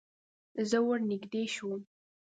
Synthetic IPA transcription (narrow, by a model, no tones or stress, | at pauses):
zəwəɾnɪɡd̪eʃum